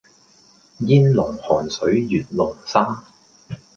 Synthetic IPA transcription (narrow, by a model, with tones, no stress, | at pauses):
jiː˥nlʊ˨˩ŋhɔː˨˩nsɵ˨˥ɥjyː˨˩nlʊ˨˩ŋsaː˥